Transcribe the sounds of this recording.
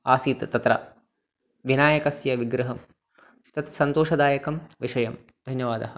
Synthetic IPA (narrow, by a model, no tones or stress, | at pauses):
aːsiːt̪t̪ɐt̪ɾɐ̰ | ʋinaːjɐkɐsjɐʋiɡɾɐɦɐm | t̪ɐt̪sɐnt̪oːʂɐd̪aːjɐkɐmʋiʂɐjɐm | d̪ʱɐnjɐʋaːd̪ɐhɐ̆